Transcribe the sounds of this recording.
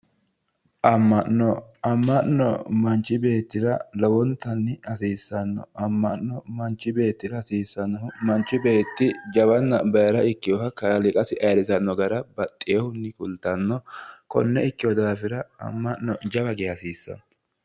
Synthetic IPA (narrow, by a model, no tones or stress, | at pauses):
ʔɐmːɐʔnɔɐmːɐʔnɔ̰mɐnt͡ʃːɪbe̞ːt̪ːɪɾɐlɔwɔnt̪ːɐnːɪɐsiːsːɐnːɔ̰ʔɐmːɐʔnːɔmɐnt͡ʃːɪbe̞ːt̪ːɪdɐsiːsːɐnːɔhʊmɐnt͡ʃːɪbe̞ːt̪ːɪd͡ʒɐbɐnːɐbɐjɐɾɐɪkːɪjɔhɐkɐjɐlɪkʼɐsɪʔɐjɐɾɪsɐnːɔɡɐɾɐbɐt̪ʼːɪjɛhʊnːɪkʊlt̪ːɐnːɔkɔ̰nːɛɪkːɪjɔd̪aːfɪɾɐɐ̰mːɐʔnɔd͡ʒɐbɐɡeɐsiːsːɐ̰nɔ